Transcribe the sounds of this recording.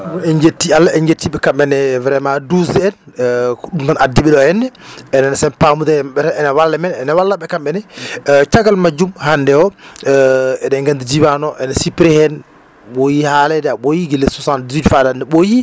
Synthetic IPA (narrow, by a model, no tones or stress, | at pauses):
mɔɛnd͡ʒetːialːaɛɲd͡ʒetːiɓɛkamɓɛnɛvɛɾɛmaduzɛɛn | ɗumtanʔadːiɓɛɗɔhɛnːɛɛnanasɛnpamud̪amɓɛtaɛnawalːɛmɛnɛnawalːaɓɛkamɓɛnɛt͡ʃaɡalmad͡ʒumhandɛɔ | ɛɗɛŋɡandid͡ʒiwanɔʔɛnasipɾɛhɛn | ɓojihalɛdɛaɓojiɡilːɛsɔsandizidfadandɛɓoji